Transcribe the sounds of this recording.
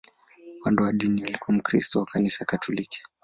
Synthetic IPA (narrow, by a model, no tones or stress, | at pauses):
wandɔwaɗinialikuam̩kɾistɔwakanisakatʰɔliki̥